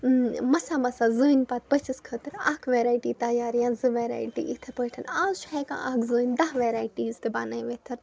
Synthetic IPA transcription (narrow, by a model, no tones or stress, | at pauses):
mɐsaːmɐsaːzəːnpɐːt̪̚pɐt͡ʃiskʰəːt̪ɨɾa̰ːkʰʋeːɾaːjʈiːt̪ɐjaːɾjãːzɨʋeːɾa̰ːjʈḭʔit̪ʰpəʈʰɐnaːzt͡ʃʰɦɛːkã̰ːʔa̰kzəːnʲd̪ɐɦʋeːɾaːjʈiːzt̪ɨbaːnaːjʋet̪ʰɐɾ